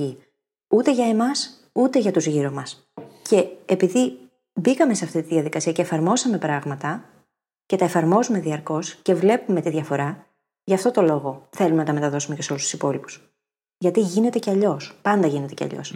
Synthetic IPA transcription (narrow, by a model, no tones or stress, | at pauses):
i | ut̪e̞ʝɐe̞mɐs | ut̪e̞ʝɐt̪uzʝiɾomɐs | ce̞ːpiði | bikɐme̞seɐft̪it̪iðjɐðikɐsiɐce̞ːfɐɾmo̞sɐme̞pɾɐɣmɐt̪ɐ | ce̞t̪ɐe̞fɐɾmo̞zume̞ðiɐɾko̞sce̞vle̞pume̞t̪iðʝɐfo̞ɾɐ | ʝɐːft̪o̞t̪o̞lo̞ɣo̞θe̞lumenɐt̪ɐme̞t̪ɐðo̞sume̞ceso̞lust̪u̥sipo̞lipu̥s | ʝɐt̪iʝine̞t̪e̞ceɐʎo̞spɐnd̪ɐʝine̞t̪e̞ceɐ̰ʎo̞̰s